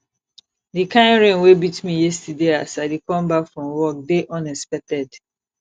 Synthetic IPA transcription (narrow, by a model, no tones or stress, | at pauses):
dikãɪ̃nɹẽnwebitmijɛstideasadekɔ̃mbakfɹɔ̃mwɔk̚deʔɔ̃nɛspɛk̚tɛd